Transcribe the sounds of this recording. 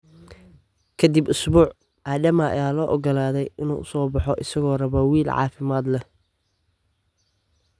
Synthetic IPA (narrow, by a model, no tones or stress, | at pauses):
kʰɐd̪ibʊsbuːʕ | aːdɐmɐɐ̰jaːlɔːʔɔɡɔlaːðɛjɪnṵːʊsɔːbɑħɔʔɪsɐɣɔːrɐβɔwiːlʕɑ̰ːfɪmaːd̪lɛ